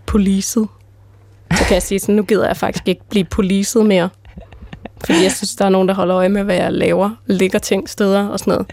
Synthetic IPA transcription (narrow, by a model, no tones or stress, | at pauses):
pʰoliːsð̩ˠ | sɒ̽kʰæjɑ̈siːsɒnːuɡ̥ið̞̰ˠɐjɑ̈ɪfɑ̈ɡ̥i̥sɡ̥e̝ɡ̥̚b̥liːpʰo̝liːsð̞̩ˠme̝ːɐ | fɒd̥ḭːjaɪsynsd̥ɑ̈æɐno̝ːn̩d̥ɑ̈ɦɒ̽l̰ɐɒ̽ɪmeʋæjɑ̈ɪlɛːʊɐle̝ɡ̥ɐt͡sʰeŋ̰sd̥eːð̞ˠɐɒ̽sɒno̰ːð̩ˠ